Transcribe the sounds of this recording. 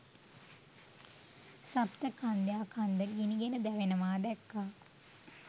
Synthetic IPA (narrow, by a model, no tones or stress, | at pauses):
sapt̪əkand̪jaːkʰand̪əɡiniɡenəd̪æʋenəmaːd̪ɛkːaː